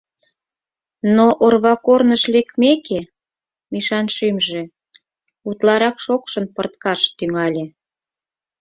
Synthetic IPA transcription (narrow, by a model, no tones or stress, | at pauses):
noʔorβɑkornəʃlekmeke | miʃɑnʃymʒe | ut̪lɑɾɑkʃokʃənpərt̪̚kɑʃt̪yŋɑlʲe